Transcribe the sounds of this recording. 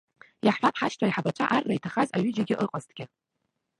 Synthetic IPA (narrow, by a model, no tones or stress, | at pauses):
jaħʷapʰħaʃtʰaiħabat͡ʃʷʰʼaʔarːaitʰaχazaɥʏd͡ʒɪɡʲɪʔɨqʼaztʰʼɡʲɪ